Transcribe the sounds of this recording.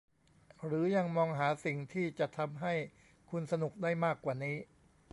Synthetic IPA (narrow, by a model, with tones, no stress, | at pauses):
ɾɯː˩˦ja˧ŋmɔː˧ŋɦaː˩˦si˨˩ŋt̪ʰiː˥˩t͡ɕa˨˩ʔt̪ʰa˧mɦa˥˩j | kʰu˧nsa˧nu˨˩k̚daː˥˩jmaː˥˩kwaː˨˩niː˦˥